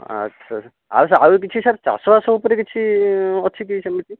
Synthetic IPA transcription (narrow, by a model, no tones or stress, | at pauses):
a̰tːʰa | a̰wsaawk̬it͡ʃʰisaɾt͡ʃa̰sɔbasɔupɔɾekit͡ʃʰiɔt͡ʃʰik̬isɛmitʰi